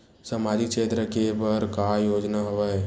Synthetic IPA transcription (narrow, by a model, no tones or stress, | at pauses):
səmaːd͡ʒikt͡ʃeːt̪ɾəkebəɾkajoːd͡ʒnaɦoʋa